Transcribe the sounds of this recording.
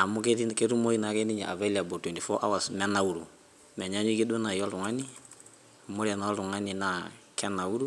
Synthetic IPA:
a˨mu˦ke˦ti˦ke˦tu˦mo˦i˨na˨˦ke˦ni˦ɲa̰˨ʔa̰˨vɛ˦lia˨bo˨twɛ˨nti˨fɔ˦ʔa̰˦wa˨smɛ˦na˨u˨ɾu˨ | mɛ˨ɲa˦ɲi˦ki˦do˦na˨jɔ˦ltu˨ŋa˦ni˦ | mo˦ɾia˨na˨a˦ltu˨ŋa˦ni˨na˨ | kɛ˦na˨u˦ɾu˦

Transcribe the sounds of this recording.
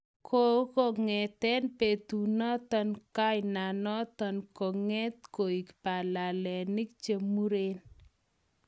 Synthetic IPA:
kʰo˦ko˨ŋɛ˨t̪ɛ˦npe˨t̪u˨nɔ˦t̪ɔ˦nka˦jna˨nɔ˦t̪ɔ˨nkɔ˨ŋɛ˦t̪̚ko˨i˨kpa˨la˨lɛ˨ni˦k̚t͡ʃe˦mu˦ɾe˦n

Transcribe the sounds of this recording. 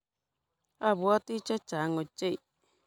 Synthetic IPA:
a˦˨βwa˦t̪i˦t͡ʃa˦t͡ʃa˨˦ŋo˨t͡ʃe˦i˨

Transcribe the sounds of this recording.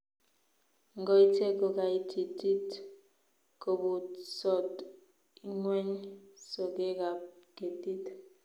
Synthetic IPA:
ŋɡo˦i˦tʰe˦ko˨ka˨i˦tʰi˨ti˦t | ko˨bu˨sɔ˦t | i˦ŋwɛ˦ɲso˨k̬e˦ka˨ke˨ti˦t

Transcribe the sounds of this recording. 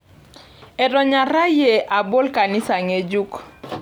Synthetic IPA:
ɛ˨dɔ˨ɲa˨ɾa˦je˨ʔa˨bo˦lka˨ni˦sa˨ŋe˨d͡ʒu˦k

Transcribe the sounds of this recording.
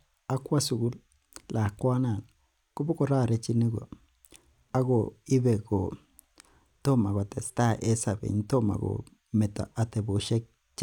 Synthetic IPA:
a˦kʷa˦su˨ɡu˦l | la˨kʷa˦na˨n | ku˦bu˦ko˨ɾa˦˨ɾe˦t͡ʃi˦ni˦ɡo̰˨ | a˦ɡo˨i˦be˨ɡo˨ | to˦ma˨ɡo˨te˨sta˦ʔe˦sa˨bḛ˨n˦to˦ma̰˨ɡo̰˨ | me˨ta̰˨a˨te˨bo˨ʃe˦k̚ | t͡ʃ

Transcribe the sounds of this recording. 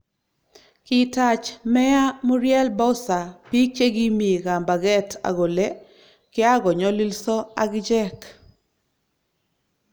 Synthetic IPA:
kɪ˨ta˨t͡ʃmɛ˦a˦mu˦ɾjɛ˦lbɔ˦ʊ˦sa˨pi˦t͡ʃe˦ɡi˦mi˨ɡa˨mba˨ɡɛ˦tʰa̰˨ɡo˨le˦ | kɪ˦a˦ɡɔ˨ɲɔ˦li˦lsɔ˦a˦ɡd͡ʒɛ˦k

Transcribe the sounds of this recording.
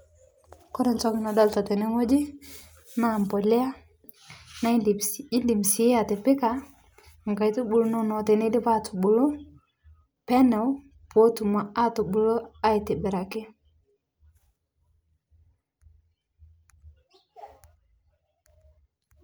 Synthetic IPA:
kɔ˦dɛ˨nt͡ʃo˦ki˦na˨da˦lta˨te˨ne˦ŋo˦d͡ʒi˦ | na˦˨mpo˨lɛ˦a˦ | na˦˨i˦ndi˨msi˨˦a˨tɛ˨pɪ˦ka˨ | ŋɡa˨jtu˦bu˨ɾo˦no˦no˨te˨ne˦di˦pa˦tu˨bu˨ɾo˦ | pɛ˦nɛ˨w | po˦tu˨ma˨a˦tu˨bu˨lo˦a˦i˨te˨bɛ˨ɾa˨ki˦

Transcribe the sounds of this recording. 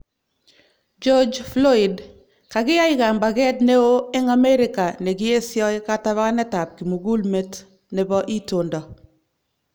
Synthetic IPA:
d͡ʒɔ˦d͡ʒflɔ˦i˨d | ka˨ɡɪ˦ja˦ɪka˨mba˨ɡɛ˦tne˦o˦ɪ˦ŋa˦mɛ˦ɾɪ˦ka˨nɛ˨ɡɪ˦e˦sjɔ˦jka˦ta˦βa˦nɛ˦ta˨p̚ki˨mu˨ɡu˦lme˦t | nɛ˨bɔ˦ʔi˦to˨ndɔ˨

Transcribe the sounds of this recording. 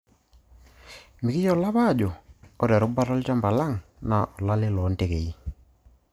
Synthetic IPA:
mɪ˨kɪ˦t͡ʃɔ˨la˦βa˦˨d͡ʒɔ˨ɔ˦ɾɛ˨ɾʊ˦ba˦ɾɔ˦lt͡ʃa˦mba˨la˦ŋna˨ʔɔ˨la˦lɪ˦lɔ˨˦nte˨ke˨i˦

